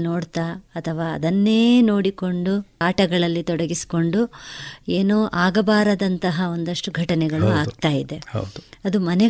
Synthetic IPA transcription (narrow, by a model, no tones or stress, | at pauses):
noːɽt̪aːɐt̪ʰɐʋaːɐ̰d̪ɐnːeːno̞ːɽiko̞ɳɖuaːʈɐɡɐɭɐlːit̪ɔɽɐɡisi̥ko̞ɳɖueːnoːʔaːɡɐbaːɾɐd̪ɐnt̪ɐɦɐo̞nd̪ɐʂʈuɡʱɐʈɐnɛɡɐɭuaːɡt̪aːjid̪e̞hɐ̰d̪uɐd̪umɐnɛ